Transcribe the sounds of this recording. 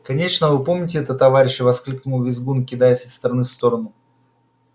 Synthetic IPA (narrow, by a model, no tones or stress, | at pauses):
kɐnʲeʂnəvɨpo̞mnʲɪtʲɪɛt̪ət̪ːɐvaɾʲɪɕɪvɐsklʲiknʊvʲɪzɡunkʲɪd̪ajɪt̪sɪst̪ɾɐnɨfst̪o̞ɾənʊ